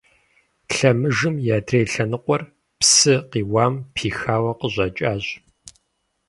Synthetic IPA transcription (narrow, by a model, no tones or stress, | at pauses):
ɬɐmɨʒɨmjaːdreːjɬɐnɨqʷɔr | psɨqiːwaːmpʰiːxaːwɐqəʑʷɐt͡ʃʼaːʑ